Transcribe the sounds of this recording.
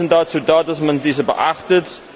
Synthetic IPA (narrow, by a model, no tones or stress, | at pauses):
əndɑːtsədɑːtɐsmɐndizəbə̰ʔɐχtət